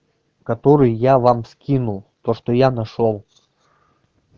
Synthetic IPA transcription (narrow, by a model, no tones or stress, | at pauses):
kɐt̪oɾɨjːavamskʲinulˠt̪oʂt̪ojanɐʂolˠ